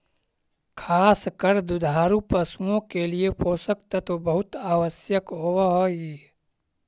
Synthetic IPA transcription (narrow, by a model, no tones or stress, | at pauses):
kʰaːskəɾd̪ʊd̪ʱaːɾupəsuõkeliepʰoːsəkt̪at̪obɐɦʊt̪aːʋəsjəkɦoːwɦoːji